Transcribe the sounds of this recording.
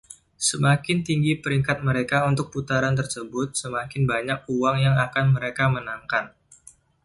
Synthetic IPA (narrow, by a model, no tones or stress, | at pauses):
səmakɪnt̪iŋɡipəɾiŋkat̪̚məɾekaunt̪ʊk̚put̪aɾant̪̬ərsəbʊt̪̚səmakɪnbaɲak̚uwaŋjaŋakanməɾekamənaŋkan